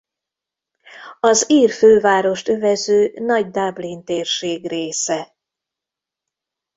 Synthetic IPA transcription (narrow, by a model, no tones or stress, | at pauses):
ɒziːrføːvaːɾo̞ʃt̪øvɛzøːnɒɟd̪ablint̪eːrʃeːɡreːsɛ